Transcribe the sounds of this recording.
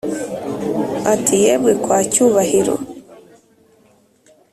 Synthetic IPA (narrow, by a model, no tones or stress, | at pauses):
atʰijɛβwɛkwacuβahiɾo̰